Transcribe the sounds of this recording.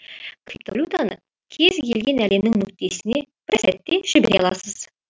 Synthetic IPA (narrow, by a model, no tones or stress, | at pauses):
kʰrip̚t̪olʲut̪anə̰ | kʲʰe̞zkʲʰe̞̰lɡʲe̞næle̞mnɪŋnʏk̚t̪e̞sɪne̞b̥ɪɾsæt̪ːe̞ʒ̥ɪbeɾɑlˠɑsəz̥